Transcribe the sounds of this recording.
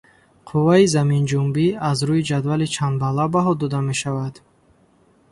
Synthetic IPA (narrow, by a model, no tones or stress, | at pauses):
qʰuvaizamind͡ʒumbiazɾuid͡ʒad̪valit͡ʃʰanbalːabaɦɔd̪ɔd̪ame̞ʃavad̪̥